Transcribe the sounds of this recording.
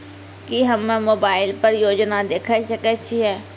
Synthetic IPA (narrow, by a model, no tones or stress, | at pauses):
kɪɦəmẽːmoːbaːɪlpəɾjoːd͡ʒnaːd̪eːkʰəsəkət͡ʃiɦɛː